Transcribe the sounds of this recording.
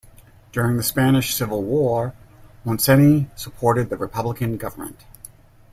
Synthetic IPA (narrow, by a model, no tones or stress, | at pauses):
d̥ʊɹɪ̃ŋðɨspænɨʃsɪvl̩ˠwɔɹmɑ̃nsɛnisəpʰɔɹɾɨd̪̚ðɨɹɨpʰʌbləkɨ̃nɡʌvə˞mə̰̃nt̚